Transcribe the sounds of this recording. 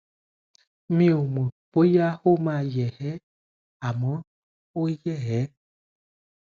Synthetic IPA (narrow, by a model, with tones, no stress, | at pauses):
mĩ˦o˨mə̃˨po˦ja˦ho˦mã˦˨jɛ˨hɛ˦ | a˨mə̃˦ | o˦jɛ˦˨ɦɛ˨˦